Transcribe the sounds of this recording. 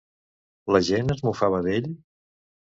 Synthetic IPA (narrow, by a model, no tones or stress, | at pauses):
ləʒenəzmufaβ̞əðeʎ